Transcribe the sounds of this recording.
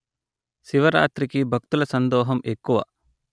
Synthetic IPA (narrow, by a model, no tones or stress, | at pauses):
siʋɐɾa̰ːt̪ɾikibʱɐk̚t̪ulɐsɐnd̪ɔːɦɐmekːuʋɐ̰